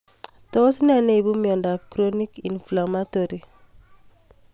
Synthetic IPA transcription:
tɔ˦si˦na˦ne˦i˨bu˦miɔ˨ndapkɾoni˦ki˨nflama˦toɾi

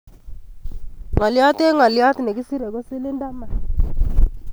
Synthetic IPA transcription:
ŋa˨lja˦te˦ŋa˨lja˦tne˨ki˦si˦ɾe˨ko˦sɪ˦lɪ˦nda˦ma˨

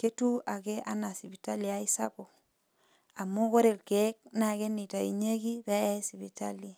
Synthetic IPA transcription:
ke˦tu˦a˨ke˦ʔa̰˦na˨si˨bi˨ta˦li˨a˨˦i˦sa̰˦bo˨ | a˨mu˦ko˦ɾe˨lke˨˦k̚na˨ke˦ni˨ta˨ḭ˨ɲe˦ki˦bɛ˦ɛ˦si˨βi˨ta̰˦li˨

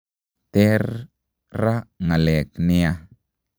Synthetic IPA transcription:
t̪e˦ɾ | ɾa˦ŋa˨le˨kni˧a˧

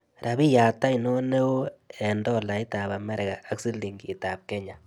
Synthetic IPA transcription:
ɾa˨bi˦ja˨ta˦i˨no˦ne˦wo˦ɛ˨ndɔ˦la˨i˦ta˨ba˨mɛ˦ɾɛ˨ɡa˨a˦ksi˦li˨ŋɡi˨ta˨p̚kɛ˦ɲa˨

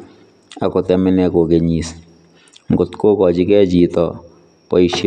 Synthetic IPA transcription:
a˨ko˨tɛ˨mɪ˦nɛ˨ko˨ke˨ɲi˨s | ŋɡʊ˨t̪ko˦kɔ˨t͡ʃɪ˦kɛ˦d͡ʒi˨tɔ˨ | pɔ˨jʃe˦

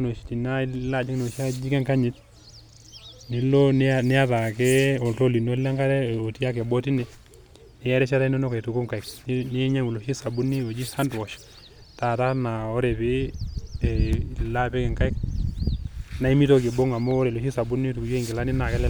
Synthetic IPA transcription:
no˨ʃi̥˨ti˨na˦la˦˨d͡ʒi˦kno˨ʃa˦d͡ʒi˦kɛ˦ŋka˦ɲɪ˦t̚ | ni˨lo˦nnɛ˦a˦ta˨kɛ˦ɔ˨lto˦li˨no˦lɛ˦ŋɡa˦ɾɛ˦o˨ti˦a˦kɛ˨bɔ˦ti˦nɛ˨ | nɛ˨jɛ˦ɾɛ˦ʃa˦ta˦i˦no˦no˦ka˨tu˨ku˦ŋka˨ɪ˨kni˦ɲa˦ŋu˨lo˨ʃi˦sa˨bu˦ni˦o˨d͡ʒi˦sa˦ndwɔ˨ʃ | ta˨ta˦na˨ɔ˦ɾɛ˨pɪ˦˨ | la˦pɛ˦kɛ˨ŋka˦ɪ˦k̚ | na˨˦i˦mi˦to˦kɪ˨bo˦ŋa˨mɔː˦ɾɛ˨lo˨ʃi˦sa˨bu˦ni˦tu˨kji˨ŋɡɪ˨la˦nɪ˦na˨kɛ˦lɛ˦

